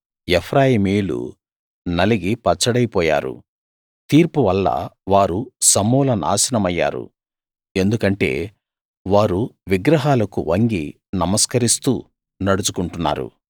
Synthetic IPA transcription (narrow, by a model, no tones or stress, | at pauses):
epʰɾaːjimiːlṵ | nɐliɡipɐt͡ʃːɐɽɐjpɔːja̰ːɾṵ | t̪iːɾpuʋɐlːɐ̰ʋaːɾusɐmuːlɐna̰ːsɐnɐmɐjːa̰ːɾṵ | e̞nd̪ukɐɳʈe̞̰ː | ʋaːɾuʋiɡɾɐɦaːlɐkṵʋɐŋɡḭ | nɐmɐskɐɾist̪uː | nɐɽut͡ʃukuɳʈunːa̰ːɾṵ